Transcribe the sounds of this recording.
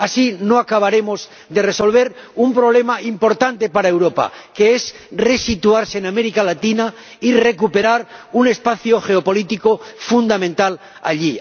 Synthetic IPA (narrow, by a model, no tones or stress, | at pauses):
asinoakaβ̞aɾemoz | d̪e̞re̞so̞lβ̞e̞ɾumpɾo̞β̞le̞maʔimpo̞ɾt̪ant̪e̞paɾaewɾo̞pa̰ke̞es | re̞sit̪uaɾseːname̞ɾikalat̪ina | ire̞kupeɾaɾune̞spaθjoxe̞opo̞lit̪ikofund̪amẽnt̪al | a̰ʎi